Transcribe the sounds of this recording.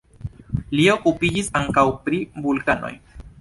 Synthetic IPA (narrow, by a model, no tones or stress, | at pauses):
lio̞kupid͡ʒisaŋkawpɾivulkano̞̰j